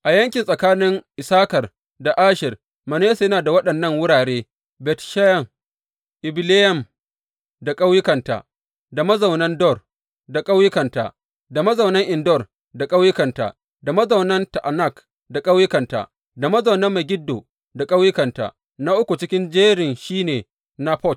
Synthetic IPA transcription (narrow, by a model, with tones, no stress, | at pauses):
ʔa˨jɐ˦ŋkʲɪ˨nsʼɐ˨kaː˦nɪ˦ŋʔɪ˨saː˦kɐ˨r | da˨ʔaː˦ʃɪ˨r | mɐ˨ne˦sjɐ˦naː˨da˨wɐ˦ɗɐ˨nːɐ˦˨ŋwʊ˦ɽaː˨ɽeː˦ | bɛ˨tʃa˦jɐ˨m | ʔɪ˨bɪ˦le˦jɛ˨m | da˨kʼa˦wjɪ˦kɐ˨nta̰ː˨ | da˨mɐ˦zɐ˨wnɐ˦ndɔ˦˨r | da˨kʼa˦wjɪ˦kɐ˨nta̰˨ | da˨mɐ˦zɐ˨wnɐ˦ŋʔɪ˨ndɔ˦˨r | da˨kʼa˦wjɪ˦kɐ˨nta̰ː˨ | da˨mɐ˦zɐ˨wnɐ˦nta˨ʔa˨na˦˨k | da˨kʼɐ˦wjɪ˦kɐ˨nta̰˨ | da˨mɐ˦zɐ˨wnɐ˦mːa˨ɡʲɪ˦dːo̰ː˨ | da˨kʼɐ˦wjɪ˦kɐ˨nta̰˨ | na˦ʔʊ˦kʷu˨t͡ʃɪ˦kʲɪ˦nd͡ʒeː˦ɽɪ˨nʃiː˦neː˨ | na˦ɸɔ˦˨t̚